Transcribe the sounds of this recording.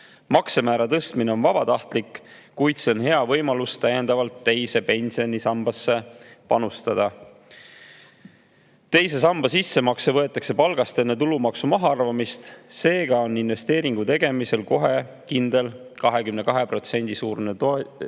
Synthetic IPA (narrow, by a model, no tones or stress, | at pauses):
mɑksemæːɾɑt̪ɤst̪mine̞o̞nvɑb̥ɑt̪ɑht̪likː | kujt̪se̞onɦe̞ɑvɤ̞jmɑlust̪æjend̪ɑvɑlt̪ːe̞jse̞pe̞nʲsionisɑmb̥ɑsːe̞pɑnust̪ɑd̪̥ɑ | t̪e̞jse̞sɑmb̥ɑsisːemɑksevɤ̞e̞t̪ːˑɑkse̞pɑlɡ̥ɑst̪e̞nːet̪̬ulumɑksumɑɦɑɑrvɑmist̪se̞ːɡ̥ɑo̞nːinve̞st̪e̞ːɾiŋɡ̥ut̪e̞ɡ̥e̞mise̞lko̞ɦe̞ | kind̪e̞l | kɑɦe̞kymne̞kɑɦe̞pro̞t̪se̞nʲd̪̥isuːrnet̪o